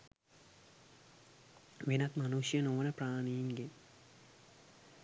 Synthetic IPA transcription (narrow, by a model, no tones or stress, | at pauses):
ʋenat̪manuʃjənoʋənəpraːnijiŋɡe